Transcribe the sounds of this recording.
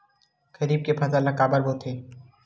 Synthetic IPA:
ɡɐɾiːb̚kepʰɐzalɐkaːbəɾbot̪ʰeː

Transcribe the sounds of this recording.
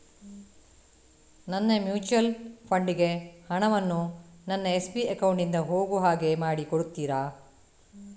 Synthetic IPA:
nɐnːemjuːt͡ʃuɐlpʰɐɳɖiɡe̞hɐɳɐʋɐnːunɐnːɐespiɐkɐwɳʈind̪ɐɦoːɡuɦaːɡe̞maːɽikoɽut̪ːiːɾaː

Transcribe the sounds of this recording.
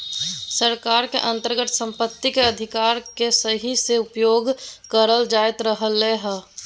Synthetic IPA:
səɾkaːɾkeʔə̃nt̪əɾɡət̪ʰsə̃mpət̪ːikeəd̪ʱɪkaːɾkesəɦiseʊpjoːɡkəɾəld͡ʒaːjt̪ɾəɦəlːeɦə

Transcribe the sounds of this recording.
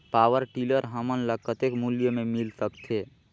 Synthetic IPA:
pawəɾʈiləɾɦəmənləɡ̚kət̪ekmuljəmemilsəkt̪ʰe

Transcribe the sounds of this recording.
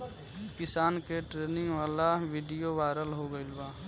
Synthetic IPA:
kɪsaːnkeʈɾeːnɪ̃ŋɡʋaːlaʋiɖijoʋaɪɾəlɦoɡəɪlbaː

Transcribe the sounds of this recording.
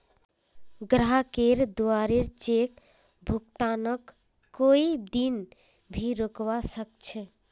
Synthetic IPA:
ɡɾaɦakeɾd̪oaɾeɾt͡ʃek | bʱuk̚t̪anəkː | oid̪in | bʱiɾokbasək̚t͡ʃʰɛ

